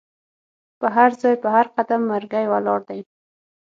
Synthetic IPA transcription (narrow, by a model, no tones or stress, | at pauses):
pəɦaɾzɑjpəhaɾqad̪amːaɾɡajwalɑɾd̪aj